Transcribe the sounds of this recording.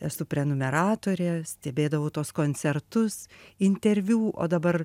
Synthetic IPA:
ɛsʊpʲɾʲɛnʊmʲɛɾɑːt̪oːɾʲɛsʲt̪ʲɛbʲeːd̪ɐʋɐʊt̪oɔskoːnʲt͡s̪sʲɛɾt̪ʊsɪnʲt̪ʲɛɾʲʋʲuːʔo̰ːd̪ɐbɐr

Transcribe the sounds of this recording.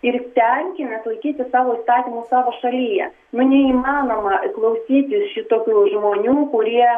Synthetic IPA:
ɪrt̪ʲɛŋʲkʲɪnʲɐslˠɐɪkʲiːt̪ʲɪssɑːʋoːiːst̪ɑːt̪ʲimusɑːʋoːʃɐlʲiːjɛ̰ | nʊnʲɛiːmɑːnoːmɐklˠɐʊsʲiːt̪ʲɪsʃʲɪt̪oːkʲuːʒmoːnʲuːkʊɾʲiɛ

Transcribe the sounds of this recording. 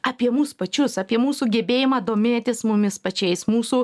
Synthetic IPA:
ɐpʲiɛmuːspɐt͡ʃʲʊsɐpʲiɛmuːsuːɡʲɛbʲeːjɪmɑːd̪oːmʲeːt̪ʲɪsmʊmʲɪspɐt͡ʃʲɛɪsmuːsuː

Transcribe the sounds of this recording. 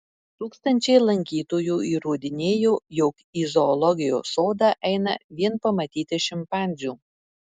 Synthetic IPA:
t̪uːkst̪ɐnʲt͡ʃʲɛɪlˠɐŋʲkʲiːt̪oːjuːiːɾuːd̪ʲɪnʲeːjoːjoːk | izɔːlˠɔɡʲɪjo̰ːsoːd̪ɑːʔɛɪnɐ̰ʋʲiɛnpɐmɐt̪ʲiːt̪ʲɪʃʲɪmpɑːˑnʲzʲuː

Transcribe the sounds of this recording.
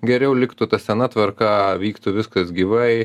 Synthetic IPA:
ɡʲɛɾʲɛʊlʲɪkt̪ʊt̪ɐsʲɛnɐt̪ʋɐrkɑʋʲiːkt̪ʊʋʲɪskɐsɡʲiːʋɐɪ

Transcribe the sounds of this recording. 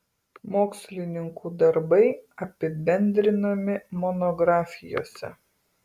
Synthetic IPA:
moːksʲlʲɪnʲɪŋkʰuːd̪ɐɾbɐɪɐpʲɪbʲɛnʲd̪ʲɾʲɪnɐmʲɪmɔnɔɡɾɑːfʲɪjo̰ːsʲɛ̰

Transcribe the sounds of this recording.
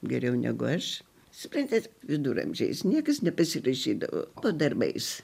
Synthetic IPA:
ɡʲɛɾʲɛʊnʲæ̰ɡʊɐʃ | sʊpɾɐnʲt̪ʲɛʋʲɪd̪uɾɐ̰mʲʒʲɛ̰ɪsnʲiɛkɐsnʲɛpɐsʲɪrɐʃʲiːd̪ɐ̰ʋo̰ːpoːd̪ɐrbɐɪs

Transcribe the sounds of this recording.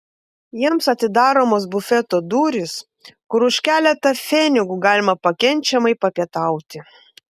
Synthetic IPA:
jiɛmsɐt̪ʲɪd̪ɑːɾoːmoːsbʊfʲɛt̪oːd̪uːɾʲɪs | kʊɾʊʃʲkʲæːlʲɛt̪ɐfʲɛnʲɪɡuːɡɑːlʲɪmɐpɐkʲɛnʲt͡ʃʲɛmɐɪpɐpʲiɛt̪ɐˑʊt̪ʲɪ

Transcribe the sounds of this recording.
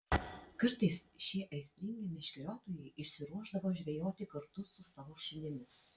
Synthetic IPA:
kɐɾt̪ɐɪsʃʲiɛʔɐɪsʲt̪ʲɾʲɪŋʲɡʲemʲɪʃʲkʲlʲoːt̪oːjɛɪʔɪʃʲsʲɪɾuɔʒd̪ɐʋoːʒʲʋʲɛjoːt̪ʲɪkɐɾt̪ʊsʊsɐʋoʃɪnʲɪmʲɪs

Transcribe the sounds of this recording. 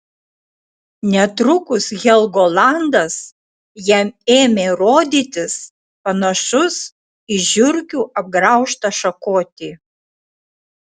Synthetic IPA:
nʲɛt̪ɾʊkʊsɣʲɛlˠɡoːlˠɑnd̪ɐs | jæmeːmʲeːɾoːd̪ʲiːt̪ʲɪs | pɐnɐʃʊs | ɪʒʲʊɾʲkʲuːʔɐb̚ɡɾɑˑʊʃt̪ɐʃɐkoːt̪ʲiː

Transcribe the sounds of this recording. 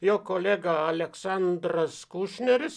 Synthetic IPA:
joːkoːlʲeːɡɑɐlʲɛksɑnd̪ɾɐskuʃʲnʲɛɾʲɪs

